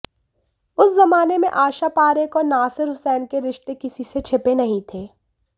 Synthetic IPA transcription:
ʊszɐmaːnemḛ̃ʔaːʃapaːɾekɔːɾnaːsɪɾɦʊsɛːnkeɾɪʃt̪ekɪsiset͡ʃʰɪpenɐɦĩt̪ʰeː

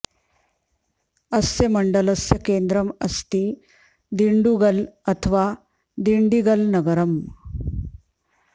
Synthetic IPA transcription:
əsjəməɳɖələsjəkend̪ɾəməst̪i | d̪iɳɖuɡələt̪ʰʋa | d̪iɳɖiɡəlnɐɡəɾəm

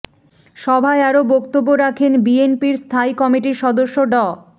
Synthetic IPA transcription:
ʃɔbʱaeaɾobɔkt̪obːoɾakʰenbienpiɾst̪ʰaikɔmiʈiʃɔd̪oʃːoɖɔ

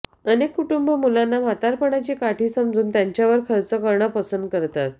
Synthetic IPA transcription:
ənekːuʈumbəmulanːam̤at̪aɾpəɳat͡ɕiːkaʈʰiːsəmd͡zuːnt̪jaɲt͡ɕjaʋəɾkʰəɾt͡səkəɾɳəpəsənd̪̚kəɾt̪at̪̚

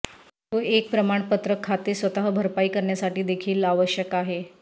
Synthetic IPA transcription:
t̪oek̚pɾəmaɳpət̪ɾəkʰːat̪esʋət̪aɦəbʱəɾpaiːkəɾɳjasaʈiːd̪ekʰiːlaʋəɕjəkaɦe

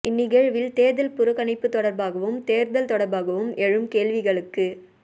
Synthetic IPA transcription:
ʔɪnːɪɣɐɻʋɪlt̪eːɾðɐlpʊɾɯɣɐnɐɪpːɯt̪ːɔɽɐɾbaːɣɐʋɯmt̪eːɾðɐlt̪ɔɽɐɾbaːɣɐʋɯmɛɻɯmkeːɭʋɪɣɐɭɯkːɯ

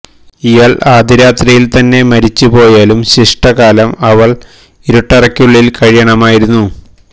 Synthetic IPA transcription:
ijɐɭʔaːd̪iɾaːt̪rijilt̪ɐnːe̞mɐɾit͡ɕːupo̞ːjaːlumɕiʂʈɐɣaːlɐmɐʋɐɭ | iɾuʈːɐrɐkʲːjuɭːilkɐɻijɐɳɐmaːjiɾunːu

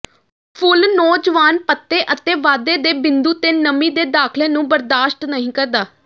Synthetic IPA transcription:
pʰʊlnoːd͡ʒʋaːnpət̪ːeːʔət̪eːʋaːd̪eːd̪eːbɪnd̪uːt̪eːnəmĩːd̪eːd̪aːkʰleːnũːbəɾd̪aːʃʈnəɦĩːkəɾd̪aː

